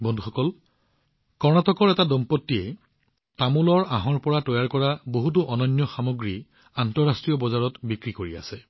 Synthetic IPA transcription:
bɔndʱuxɔkɔl | kɔɹnatɔkɔɹɛtadɔmpɔtːiɛ | tamulɔɹaɦɔɹpɔɹatɔjaɹkɔɹaboɦut̬uʔɔnɔnjɔxamoɡɹi | antɔɹastɹijɔbɔzaɹɔtbikɹikoɹia̰sɛ

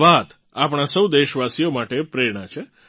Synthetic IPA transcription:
ʋat̪ | apɳ̃asəwd̪eʃʋasijomaʈepɾeɽ̃at͡ʃʰe

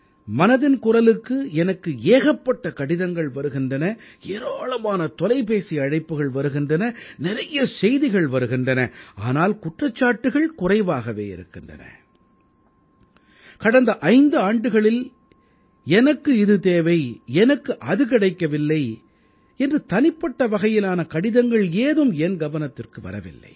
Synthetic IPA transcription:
mɐnɐðɪnkʊrɐlɯkːɯɛnɐkːɯeːɣɐpːɐʈːɐkɐɽɪðɐŋɡɐɭʋɐɾɯɣɪndrɐnɐ | eːɾaːlɐmaːnɐt̪ɔlɐɪpeːsiɐɻɐɪpːɯɣɐɭʋɐɾɯɣɪndrɐnɐnɪrɐjɐsɛjðɪɣɐɭʋɐɾɯɣɪndrɐnɐaːnaːlkʊʈrɐt͡ʃːaːʈːɯɣɐɭkʊrɐɪʋaːɣɐʋḛːɪ̰ɾɯ̰kːɪndrɐ̰nɐ̰ | kɐɽɐnd̪ɐʔɐɪnd̪ɯaːɳɖɯɣɐɭɪl | ɛnɐkːɯɪðɯt̪eːʋɐɪɛnɐkːɯʔɐðɯkɪɽɐɪkːɐʋɪlːɐɪ | ɛndrɯt̪ɐnɪpːɐʈːɐʋɐɣɐjɪlaːnɐkɐɽɪðɐŋɡɐɭeːðɯmɛnɡɐʋɐnɐt̪ːɪrkɯʋɐ̰ɾɐ̰ʋɪ̰lːɐ̰ɪ

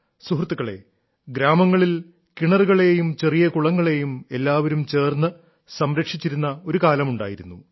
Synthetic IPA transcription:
suɦrt̪ːuɣɐɭe̞̰ | ɡɾaːmɐŋːɐɭil | kiɳɐruɣɐɭe̞jumt͡ɕe̞rijɐkuɭɐŋːɐɭe̞jume̞lːaːʋɐɾumt͡ɕe̞ːrnːɨ | sɐmɾɐkʂit͡ɕːiɾunːɐo̞ɾukaːlɐmuɳɖa̰ːjiɾunːu

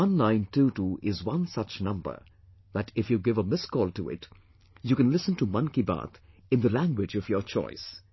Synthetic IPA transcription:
ɔ̃nlãɪ̃ntutuʔɪzwʌ̃nsʌt͡ʃnʌ̃mbə̰ | ðɨtɪfjuɡɪvəmɪskɔːlˠtuɪ̰t | jukɨ̃nlɪsə̃ntumʌ̃nkiba̰t̪ʰ | ɨ̃nðəlæ̃ŋɡwɪd͡ʒʌvjət͡ʃʰɔ̰ɪs

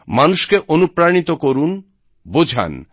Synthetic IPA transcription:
manuʃkeʔonupɾanit̪okoɾun | bod͡ʑʱa̰n

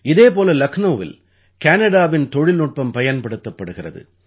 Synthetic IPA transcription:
ɪðeːpoːlɐlɐknoːʋɪ̰l | kaːnɐɽaːʋɪnt̪ɔɻɪlnʊʈ̚pɐmpɐjɐnpɐɽɯt̪ːɐpːɐɽɯɣɪrɐðɯ̰

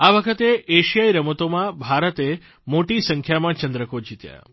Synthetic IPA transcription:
aʋəkʰət̪eeʃijajɾəmət̪omãbʱaɾət̪e | moʈisəŋkʰjamãt͡ʃənd̪ɾəkod͡ʒit̪ja̰

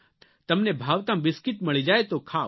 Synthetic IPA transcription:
t̪ɐmnebʱaːʋt̪ãʋɪskɪt̪mɐɭid͡ʒaːet̪okʰa

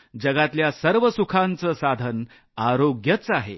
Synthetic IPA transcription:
d͡ʑəɡat̪ljasəɾʋəsukʰant͡səsad̪ʱən | aɾoɡjət͡saɦḛ

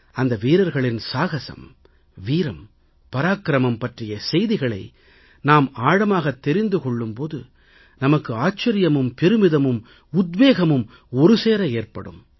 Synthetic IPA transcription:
ɐnd̪ɐʋiːɾɐɾɣɐɭɪnsaːɣɐsɐ̰m | ʋiːɾɐm | pɐɾaːkɾɐmɐmpɐʈrɪjɐsɛjðɪɣɐɭɐ̰ɪ | naːmaːɽɐmaːɣɐt̪ːɛɾɪnd̪ɯkɔɭːɯmpoːðɯ | nɐmɐkːɯaːt͡ʃːɐɾɪjɐmɯmpɛɾɯmɪðɐmɯm | ʊd̪ʋeːɣɐmɯm | ɔɾɯseːɾɐeːɾpɐ̰ɽɯ̰m

